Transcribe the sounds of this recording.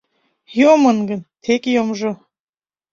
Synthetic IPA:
jomənɡə̆nt̪ʰekjomʒo

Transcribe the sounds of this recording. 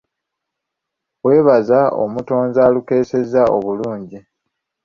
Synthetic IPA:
we̞ːβazao̰muto̞ːnzaːluke̞ːse̞zao̞βuluːɲɟi

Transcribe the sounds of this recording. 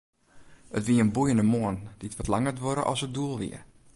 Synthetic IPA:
ətʋiəənbujəndəmoənd̥itʋɔtlaŋətʋoɾə̰ʔɔ̰sət̚duəlˠʋḭər

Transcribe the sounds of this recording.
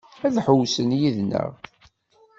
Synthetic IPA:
æðħʊwsənjiðnə̰ʁ

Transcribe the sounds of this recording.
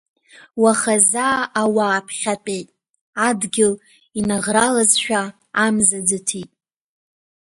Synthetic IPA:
waχazaːʔːwaːpʰχʲatʼejtʼ | adɡʲɪl | inaʁralazʃᶣa | amzad͡zɨtʰitʼ

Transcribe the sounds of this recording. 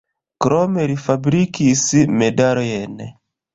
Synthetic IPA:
kɾomeɾifabɾikismedaɾoen

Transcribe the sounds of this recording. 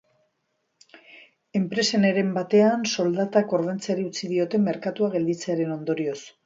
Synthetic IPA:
e̞mpɾe̞sene̞ɾe̞mbat̪e̞anso̞ld̪at̪ako̞ɾðe̞nt͡seaɾiut͡sið̞io̞t̪e̞me̞ɾkat̪uaɣe̞ld̪it͡seaɾe̞no̞nd̪o̞ɾio̞s

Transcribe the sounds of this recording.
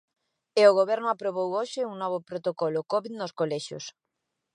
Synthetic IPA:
eoɣoβ̞ɛɾnoapɾoβ̞owoʃeuŋnɔβ̞opɾot̪okolokoβiðnoskoleʃjo̰s

